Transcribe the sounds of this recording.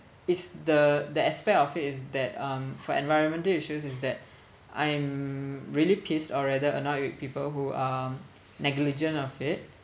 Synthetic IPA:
ɪsdədəɛspɛk̚tɔfitɪsdɛt̚ʌ̃mfɔɛ̰̃nvajɹə̃nmə̃ntəiʃus̬ɪs̬dɛt̚ | ʔã̰j̃mɹilipʰistɔɹɛdəənɔtwit̚pipəlɦua | nɛɡlid͡ʒə̃nɔfɪt̚

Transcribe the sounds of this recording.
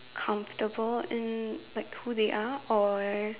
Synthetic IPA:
kʰʌ̃ɱftəbəlɪ̃nlaɪkhuðeʔaɔ

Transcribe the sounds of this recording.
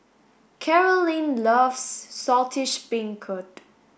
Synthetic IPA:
kʰɛɹəlĩnlʌvsːɔtʰɪʃbɪ̃ŋkʰʊt

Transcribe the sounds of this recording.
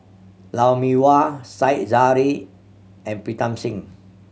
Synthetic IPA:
lawmiwasajt̚zaɹi | ɛ̃npɹitãmsĩŋ

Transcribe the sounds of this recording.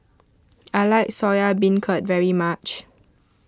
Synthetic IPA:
aɪlaɪk̚sɔjabĩnkʰət̚vɛɹimat͡ʃ

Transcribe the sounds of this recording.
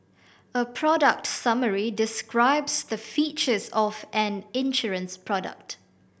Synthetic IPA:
əpʰɹɔdək̚tsʌməɹidɪskɹaɪbsðəfit͡ʃəzɔvʔɛ̃nɪ̃nʃɔɹə̃nspʰɹɔdə̰k̚t

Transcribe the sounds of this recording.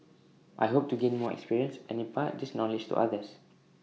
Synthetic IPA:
ʔa̰jɦop̚tuɡẽnmɔɛ̰kspiɹiə̃nsɛ̰̃nĩpat̚dɪsnɔlɪd͡ʒtṵʔa̰dəs

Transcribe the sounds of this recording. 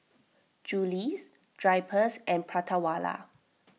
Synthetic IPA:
d͡ʒulis | d̥ɹajpʰəsɛ̃npʰɹatʰawala̰

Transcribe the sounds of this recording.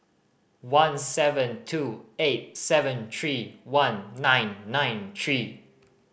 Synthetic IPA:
wãnsɛvə̃ntʰuet̚sɛvə̃nt̪ʰɹiwãnːãɪ̃nːãɪ̃nt̪ʰɹi

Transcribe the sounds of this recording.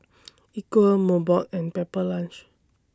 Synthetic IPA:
ikwəlmobatɛ̃npɛpəlãnt͡ʃ

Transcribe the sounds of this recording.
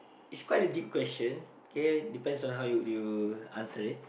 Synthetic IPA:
itskwajtədip̚kwɛst͡ʃə̃n | okʰedipɛ̃ndsɔ̃nɦawjujuãnsəɹit̚

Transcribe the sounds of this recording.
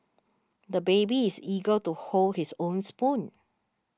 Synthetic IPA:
d̪əbebiɪsiɡəltuholdhisõnspũn

